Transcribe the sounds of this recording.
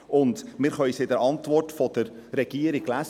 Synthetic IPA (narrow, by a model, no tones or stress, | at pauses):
ʔʊndmɪɾχœʏsɪdəɾɑntʋɔrtfɔd̥əɾɾɛɡ̥iəɾiɡlæs